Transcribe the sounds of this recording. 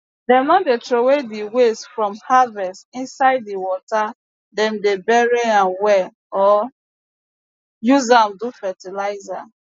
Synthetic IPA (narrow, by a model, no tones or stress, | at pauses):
dɛmãndetɾowediwesfɹɔ̃mhavɛstĩnsaɪdːiwɔta | dɛ̃mdebɛɹeãnwɛ | ɔ | juzamdufɛtilaɪza